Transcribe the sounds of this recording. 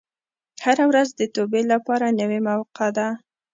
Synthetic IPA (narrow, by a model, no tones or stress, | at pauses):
haɾawɾazd̪ət̪obelapɑɾanəwemawqɑd̪a